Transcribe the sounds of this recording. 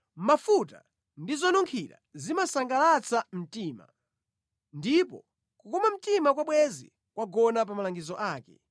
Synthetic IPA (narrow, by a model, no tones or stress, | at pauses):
mafuta̰ | ndizɔnuŋkʰiɾa̰zimasaŋɡalat͡sʰam̩tiːma̰ | ndipɔ̰ | kukɔmam̩timakwaɓwɛzḭ | kwaɡɔnap̬amalaŋɡizɔʔaːkɛ